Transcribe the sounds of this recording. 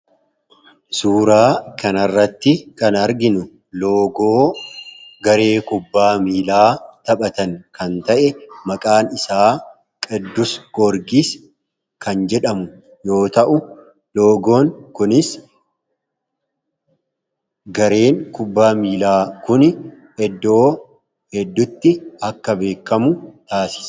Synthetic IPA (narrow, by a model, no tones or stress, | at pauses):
suːɾaːkɐnɐrːɐt̪ːɪkɐnɐɾɡɪnʊ | loːɡoː | ɡɐɾe̞ːkʊbːaːmiːlaːt̪ɐɓɐt̪ɐŋkʰɐnt̪ɐʔɛmɐkʼaːnɪsaː | kʼɛd̪ːʊsɡ̥ɔɾɡis | kɐnd͡ʒɛᶑɐmʊ | jo̞ːt̪ɐʔʊ | lo̞ːɡo̞ːŋkʊnɪs | ɡɐɾe̞ːŋkʊbːaːmiːlaːkʊn | ɛd̪ːo̞ː | hɛd̪ːʊt̪ːɪɐkːɐbe̞ːkːɐmʊt̪aːsɪ̥s